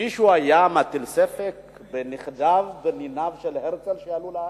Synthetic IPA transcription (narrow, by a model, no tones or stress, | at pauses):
iʃuajamat̪ilsefek | beniχd̪avbeninavʃelheʁt͡selʃejalula